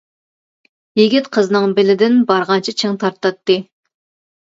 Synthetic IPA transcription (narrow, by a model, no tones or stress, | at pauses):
jeɡʲit̪qʰəznɨŋbɪlɪd̪ɪnbɑɾʁɑnt͡ʃʰit͡ʃʰɪŋt̪ʰɑɾt̪ːɑt̪ːɨ